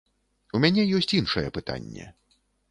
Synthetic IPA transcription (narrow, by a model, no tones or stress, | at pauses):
umʲanʲɛjɔsʲt͡sʲinʂɐjɛpɨt̪a̰nʲːɛ̰